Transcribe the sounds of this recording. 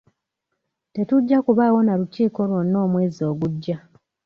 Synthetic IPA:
te̞tuɟːakuβaːwo̞naɾuciːko̞lwo̞nːo̞ːmwe̞ːzio̞ːɡuɟːa

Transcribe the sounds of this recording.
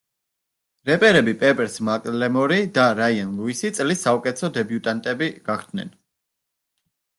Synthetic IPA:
ɾɛpʼɛɾɛbipʼɛpʼɛɾsmakʼlɛmɔɾid̪aɾaianlˠuisit̪sʼlisːaukʼɛt̪sʰɔd̪ɛbjut̪ʼant̪ʼɛbiɡ̥aχʰd̪nɛ̰n

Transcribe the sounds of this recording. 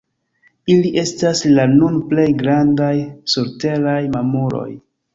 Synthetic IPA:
iliʔe̞staslanunple̞jɡɾandajsoɾte̞ɾajmamoɾo̞̰j

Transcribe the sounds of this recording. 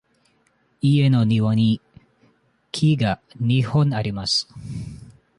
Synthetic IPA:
ie̞no̞ɲʲiβoɲ̟ʲi | kʲʰiɡa | ɲʲihõɴaɾʲimasɨ̥

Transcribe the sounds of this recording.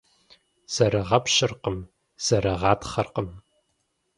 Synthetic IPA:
z̥ɐɾɐʁɐpɕɪrqəm | z̥ɐɾɐʁɑːtʰχɐrqəm

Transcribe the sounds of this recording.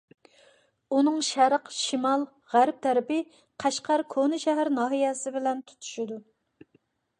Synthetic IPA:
unɨŋʃæɾqʃimɑlˠ | ʁæɾp̚t̪ʰæɾɪpɪ | qʰæʃqʰɑɾkʰonɨʃɛɦæɾnɑːɦijɛsɪbɪlɛnt̪ʰu̥t̪ʰu̥ʃid̪u

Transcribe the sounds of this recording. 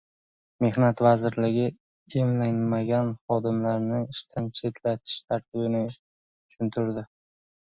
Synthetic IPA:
me̞hnat̪vazɪɾlɪɡʲɪ | emlanmaɡʲanχɒd̪ɪmlaɾnɪɪʃt̪ʰant͡ʃʰe̞t̪ʰlat̪ʰɪ̥ʃt̪ʰaɾt̪ʰɪbɪnɪ | ʊ̥t͡ʃʰʊnt̪ʰɪɾd̪ɪ

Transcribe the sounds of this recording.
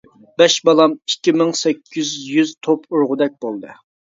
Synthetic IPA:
b̥ɛʃbɑlˠɑmikʲːimɪŋsɛkʲʰːyzjyzt̪ʰopuɾʁʊd̪ɛk̚ʲbolˠd̪ɨ

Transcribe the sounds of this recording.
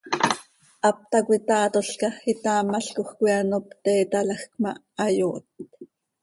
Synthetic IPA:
ʔap̚t̪akʷit̪aːt̪oɬkaxit̪aːmaɬkoxkʷianopt̪ɛːt̪alaxkmaː | joːt̪̚

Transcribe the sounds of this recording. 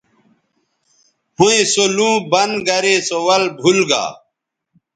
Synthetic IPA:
hũẽsolũːbɐnɡɐɾesowɐlbʱulɡa̰ː

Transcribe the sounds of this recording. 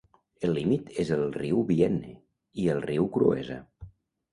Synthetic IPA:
əlːimit̪ʰezəlˠriwβiɛne | iəlˠriwkɾṵḛzə̰

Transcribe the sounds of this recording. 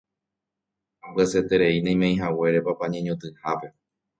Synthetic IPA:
ãbɨaset̪e̞ɾe̞inẽj̃mẽj̃ɦawe̞ɾe̞papaɲẽɲõt̪ɨhape̞

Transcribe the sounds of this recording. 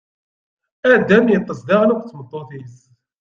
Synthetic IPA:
æd̪æmjət̪ˤːəsd̪aʁnəkʷt͡sːmət̪ˤːoθiz

